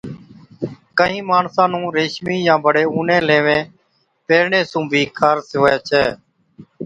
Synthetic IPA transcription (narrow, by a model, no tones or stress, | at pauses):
kəɦĩːmaːɳsãːnũːɾeːʃmiːjãːbəɽeːuːnẽːleːʋẽː | peːɾɳeːsũːbʱiːkʰaːɾsɪoːjaːt͡ʃʰɛː